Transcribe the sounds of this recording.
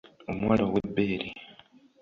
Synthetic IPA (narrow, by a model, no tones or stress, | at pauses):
omwaːlowebːeːɾi